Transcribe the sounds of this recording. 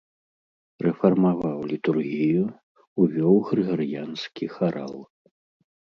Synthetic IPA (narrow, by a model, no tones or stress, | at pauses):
rɛfɐrmavawlʲit̪urɣʲijuː | vʲɔwɣɾɨɣaɾjanskʲixaɾʔa̰lˠ